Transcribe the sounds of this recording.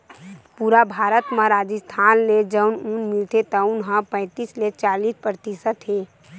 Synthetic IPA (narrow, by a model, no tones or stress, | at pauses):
puːɾabʱaːɾət̪mãɾaːd͡ʒəst̪ʰaːnled͡ʒəʊnũnmɪlt̪et̪aʊnɦãpɛ̃ɪ̃t̪iːslet͡ʃaːliːspɾət̪isət̪ɦeː